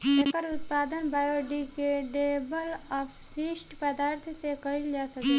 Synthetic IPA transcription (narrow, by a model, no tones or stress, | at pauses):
ekəɾʊt̪paːd̪ənbaːjoɖikeɖebəlɔp | sisʈpəd̪aːɾt̪ʰsekɐild͡ʒaːsəki